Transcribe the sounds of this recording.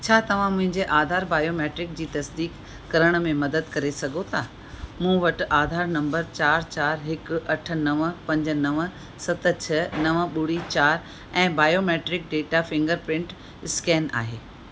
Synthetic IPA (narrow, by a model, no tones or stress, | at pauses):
t͡ɕʰaːt̪ɐʋ̤ãmʊ̃ɦɪ̃ɲd͡ʑeʔaːd̪ʱaːɾbaːjoːmeːʈɾɪk̚d͡ʑiːt̪ɐsd̪iːkː | ɐɾəɽ̃ʊ̆mẽmɐd̪əd̪kɐɾesɐɡʱot̪ʰaː | mũːʋɐʈ̆ʔaːd̪ʱaːɾnɐ̃mbəɾt͡ɕaːɾt͡ɕaːɾɦɪkʊ̆ɐʈ̆ʰnɐʋpɐ̃ɲd͡ʑ̆nɐʋ | sɐt̪t͡ɕʰɐnɐʋɓʊɽit͡ɕaːɾ | ɛ̃ːbaːjomeːʈɾɪk̚ɖeːʈafɪ̃ŋɡəɾpɾɪ̃ɳʈ | ɪskɛːna̰ːɦeː